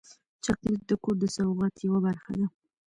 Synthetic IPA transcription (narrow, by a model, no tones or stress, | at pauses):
t͡ʃaqlit̪̚d̪əkoɾd̪əsawɣɑt̪jawabaɾxad̪a